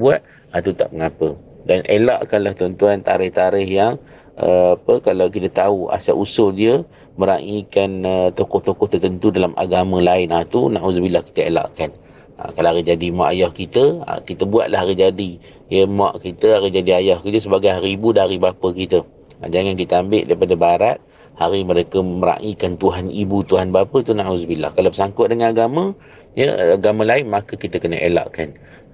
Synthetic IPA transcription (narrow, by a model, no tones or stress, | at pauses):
buat̪̚ | at̪ut̪a̰ʔməŋapə | danʔelaʔkanlaht̪ɔnt̪uant̪aɾɪht̪aɾɪhjaŋ | ə̰apəkalawkit̪ət̪aua̰sa̰ʔusʊldiə | məɾaʔikanət̪okʊht̪okʊht̪ərt̪ənt̪udalama̰ɡamə̃laɪnat̪unaʔuzbilahki̥t̪əela̰ʔkan | a̰kalaaɾid͡ʒadimaʔajɔhkit̪əə̰kit̪əbua̰ʔ̪laɦaɾid͡ʒadi | jəmaʔkit̪əaɾid͡ʒadiajahkət̪əs̬əbaɡajɦaɾiːbudaaɾibapəkit̪ə | a̰d͡ʒaŋankit̪əambɪʔdaipadabaɾat̪̚ | haɾiməɾekəməɾa̰ʔikant̪uɦanibut̪uɦanbapət̪unãʔusbila̰hkalawpəsaŋkʊʔ̚dəŋanaɡamə̃ | jə̰aɡamə̃laɪnmãkəkit̪əkənəʔḛla̰ʔkan